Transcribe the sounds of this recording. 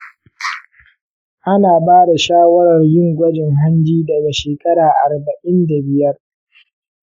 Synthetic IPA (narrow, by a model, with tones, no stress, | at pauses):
ʔa˦naː˨baː˦da˨ʃaː˦wɐ˦ɾɐ˨rjɪ˦˨ŋɡʷɐ˦d͡ʒɪ˨ŋɦa˦nd͡ʒiː˦dɐ˨ɡa˨ʃeː˨kʼɐ˦ɾaː˨ʔa˨rbɐ˨ʔɪ˦nda˨bɪ˨jɐ˦r